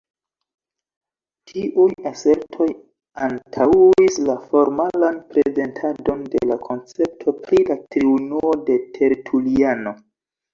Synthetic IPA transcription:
tʰiʔujase̞ɾtʰo̞j | antʰawislafo̞ɾmalanpɾeze̞ntʰado̞nde̞̰lakʰo̞nt͡se̞p̚tʰo̞pɾilatɾiunuo̞de̞tʰe̞ɾtʰuliano̞

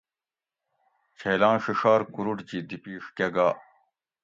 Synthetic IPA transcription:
t͡ɕʰejlãːnɕiʂaːɾkuɾuʈd͡ʑid̪ipiːʂkeɡaː

